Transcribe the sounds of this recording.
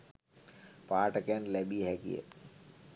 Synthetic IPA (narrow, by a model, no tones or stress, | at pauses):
paːɾʈəkẽnlɛːbiɦɛkḭḛ